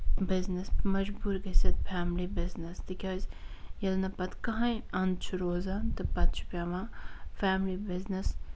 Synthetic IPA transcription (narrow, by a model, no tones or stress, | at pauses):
bɪznɐsmɐd͡ʒbuːɾɡɐsɐt̪̚fʰaːmlibɪznɐst̪ikʲoːzʲjɐlnɐpɐt̪kɐɦãjɐnt͡ʃʰuɾoːzaːnt̪ɨpɐt̪̚t͡ʃʰu̥pʲaːʋãːfaːmlibɪznɐs